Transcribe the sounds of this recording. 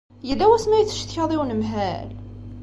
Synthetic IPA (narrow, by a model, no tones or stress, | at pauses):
jəlːæwæsmæjət͡sːə̥ʃt̪çɑðˤiwnəmɦæl